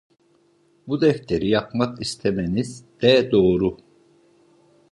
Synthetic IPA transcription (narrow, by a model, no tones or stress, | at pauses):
bud̪ɛft̪ʰeɾijapmakist̪ʰemenizd̪̥ɛd̪oːɾu